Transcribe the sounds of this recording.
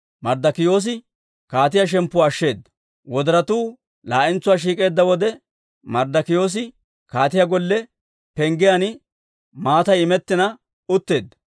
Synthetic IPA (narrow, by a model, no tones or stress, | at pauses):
mɐɾd̪ɐkɪjo̞ːs̬ɪ | kaːt̪̬ɪjɐʃ̬ɛmpːʊwaːʃːe̞ːd̪ːɐ̥ | wɔd̪ɐɾɐt̪uː | laːʔɪnt͡sːʊwaːʃ̬iːkʼe̞ːd̪ːɐwɔd̪ɛ | mɐɾd̪ɐkɪjo̞ːs̬ɪ | kaːt̪ɪjaɡɔlːɛ | pɛŋɡɪjanɪ | maːt̪ɐjɪmɛt̪ːɪnɐ | ʊt̪ːe̞ːd̪ːɐ̥